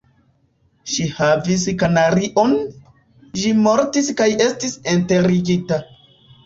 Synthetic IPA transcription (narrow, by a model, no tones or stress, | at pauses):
ʃihavis̬kanaɾiʔo̞n | ʃimo̞ɾtiskaje̞stisente̞ɾiɡita